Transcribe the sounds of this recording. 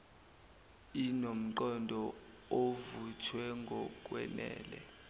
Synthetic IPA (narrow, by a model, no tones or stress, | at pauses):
inom̩ǃɔndʱɔ | ovutʰwɛŋɡʱɔk̬ʼwɛ̰nɛ̰ːlɛ